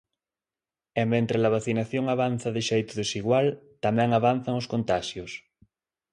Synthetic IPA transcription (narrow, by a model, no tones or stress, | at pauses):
emmẽnt̪ɾelaβ̞aθinaθjoŋaβ̞an̟θaðeʃejt̪ʊðesiɣwalt̪amɛ̃ŋaβ̞anθaŋoskont̪aʃjos